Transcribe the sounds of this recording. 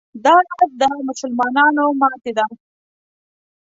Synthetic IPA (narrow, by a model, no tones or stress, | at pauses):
d̪ɑɾasd̪əmʊsʊlmɑnɑnomɑt̪ed̪a